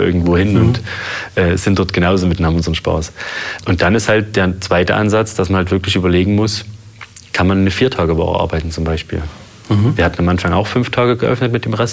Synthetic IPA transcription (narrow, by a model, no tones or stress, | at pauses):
ʔɪ̰ɐɡŋ̩tv̥oːhɪnʊntʔɛːz̥ɪntd̥ɔɐtɡ̥ənaʊzoːmɪtnaːmʊnzəʁən̩ʃpa̰ɐsʔʊntd̥anɪsthalt̚d̥eːɐt͡sv̥aɪtəʔa̰nzat͡sd̥asmanhaltv̥ɪɐklɪçʔyːbɐleːɡŋ̩mʊs | kʰanmanːəfiːɐtʰaːɡəvɔ̰ːʁə̰ʔa̰ɐbaɪtn̩t͡sʊmbaɪʃpḭːl | viːɐhatn̩amʔanfaŋa̰ʊxfʏnftʰaːɡəɡəʔœ̰fnətmɪt̚d̥eːmʁɛst